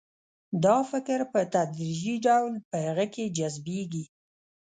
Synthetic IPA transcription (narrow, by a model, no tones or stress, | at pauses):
d̪ɑfɪkɾpət̪ad̪ɾiʒiɖawlpəhaɣəked͡ʒazbeɡi